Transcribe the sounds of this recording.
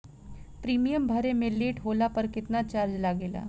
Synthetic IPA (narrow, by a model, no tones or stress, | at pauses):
pɾiːmijəmbʱəɾemelːiːʈɦolapəɾkɪt̪nat͡ɕaɾd͡ʒlaɡela̰